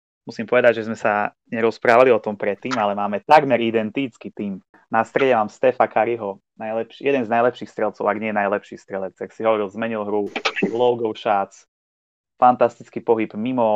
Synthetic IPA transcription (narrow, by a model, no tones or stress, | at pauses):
musiːmpɔʋɛd̪aɟʒɛzmɛsa | ɲɛɾɔspɾaːʋaliɔt̪ɔmpɾɛt̪ːiːmalɛmaːmɛt̪aɡmɛɾid̪ɛnt̪it͡skit̪iːm | nast̪ɾɛɟɛmaːmst̪ɛfakaɾiɦɔ | najlɛpʃijɛd̪ɛnznajlɛpʃiːxst̪ɾɛlt͡sɔʊaɡɲɪɛjɛnajlɛpʃiːst̪ɾɛlɛt͡saksiɦɔʋɔɾilˠzmɛɲilɦɾulɔʊɡɔʊʃaːt͡s | fant̪ast̪it͡skipɔɦibmimɔ